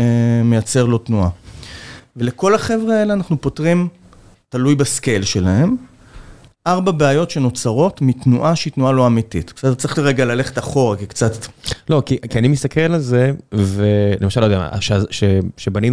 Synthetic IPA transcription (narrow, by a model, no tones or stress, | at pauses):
eme̞jat͡se̞ʁlo̞tnua | ve̞leko̞laχevʁeeleanaχnupo̞tʁim | talujbaske̞lʃe̞lae̞m | ʔaʁbabeajo̞tʃeno̞t͡saʁo̞tmitnuʔaʃitnualo̞amititksedt͡sʁiliʁeɡalale̞χetaχo̞ʁakikt͡satlo̞kikianimist̪akelalze̞velemaʃalːojdama̰ʃeaʃeʃebani